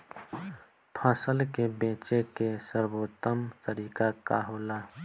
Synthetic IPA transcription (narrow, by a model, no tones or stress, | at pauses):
pʰãːsəlkebẽːt͡ʃekesəɾboːt̪əmt̪əɾiːkakaɦoːla